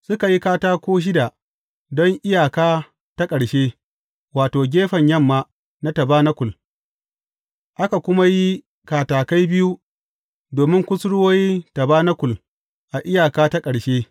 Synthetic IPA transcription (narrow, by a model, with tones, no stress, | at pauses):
sʊ˦ka˨ji˦kaː˦taː˦kʷoː˦ʃ̬ɪ˦da˨ | dɔ˦ŋʔɪ˦jaː˨kaː˦ | ta˦kʼɐ˨ɽʃeː˦ | waː˨toː˨ɡʲeː˦ɸɐ˨ɲjɐ˦mːaː˦ | na˦tɐ˨baː˦na˦kʷʊ˨l | ʔa˦ka˨kʷʊ˦ma˦ji˦ | kaː˨taː˨ka˦jbɪ˦ju˦ | doː˨mɪ˦ŋkʷʊ˦sɽʊ˦wo˦jta˨baː˦na˦kʷʊ˨l | ʔa˨ʔɪ˦jaː˨kaː˦ta˦kʼɐ˨ɽʃeː˦